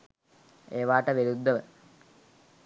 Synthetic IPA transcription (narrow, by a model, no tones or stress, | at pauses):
eːʋaːʈɐʋeɾud̪ʱːɐʋə